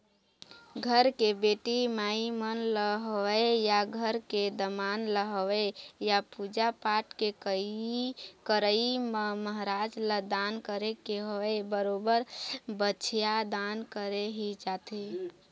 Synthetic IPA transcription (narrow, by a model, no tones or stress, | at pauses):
ɡʱəɾkebeʈimaimənləɦwejaɡʱəɾked̪əmanləɦəwejapud͡ʒapaʈkekəikəɾəimeməɦɾad͡ʒləd̪ankəɾekeɦoebəɾobəɾbət͡ʃʰjad̪ankəɾeɦid͡ʒat̪e